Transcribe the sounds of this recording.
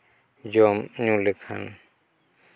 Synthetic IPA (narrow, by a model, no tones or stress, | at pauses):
d͡ʒɔmɲulɛkʰa̰n